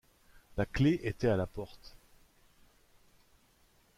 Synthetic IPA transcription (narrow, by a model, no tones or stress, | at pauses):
lakleʔet̪ɛalapɔʁt̪